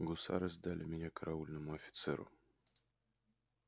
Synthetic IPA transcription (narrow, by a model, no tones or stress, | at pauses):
ɡʊsa̰ɾɨzd̪alʲɪmʲɪnʲakəɾʔaulʲnɨmʊɐfʲɪ̥t̪sɛɾʊ̰